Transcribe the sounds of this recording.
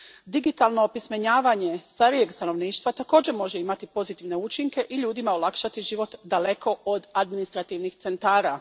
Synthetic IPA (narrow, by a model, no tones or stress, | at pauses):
d̪iɡit̪alˠno̞ːpismeɲaːʋaɲe̞st̪aɾije̞ɡst̪ano̞ʋniːʃt̪ʋat̪ako̞ːd͡ʑe̞ɾmo̞ʒe̞imat̪ipo̞zit̪iʋne̞ut͡ʃiŋke̞ʔiʎuːd̪imaolakʃat̪iʒiʋo̞t̪d̪ale̞kʰo̞od̪ad̪minist̪ɾat̪iʋnixt̪se̞nt̪aːɾa